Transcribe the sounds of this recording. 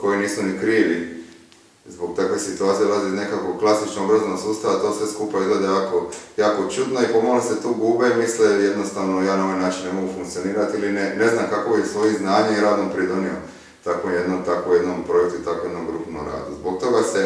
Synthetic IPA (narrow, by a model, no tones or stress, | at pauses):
ko̞iniːsmonikɾiːʋi | zbok̚t̪akʋe̞sit̪uaːt̪sieolazine̞kakoklˠasit͡ʃnoɡbɾazanoɡsuːst̪aʋat̪o̞sʋe̞skuːpaizɡled̪ejaːko̞jaːko̞t͡ʃud̪noipo̞maleset̪uːɡuːbemisleje̞d̪no̞st̪aʋnojaːnao̞ʋajnaːt͡ʃinnemo̞ɡufuŋkt̪sio̞niːɾat̪ilinene̞znamkako̞bisʋo̞jiznaːɲeiɾaːd̪nopɾid̪onio̰ | t̪akʋomje̞d̪nomt̪akʋoje̞d̪nompɾo̞jek̚t̪ut̪akoje̞d̪nomɡɾupno̰ɾa̰ːd̪ṵzbo̞k̚t̪o̞ɡase̞